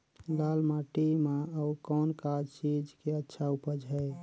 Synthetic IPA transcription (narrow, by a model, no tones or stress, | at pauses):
lalmaʈimaəukɔnkad͡ʒt͡ʃid͡ʒkeətːʃʰaupəd͡ʒɦɛj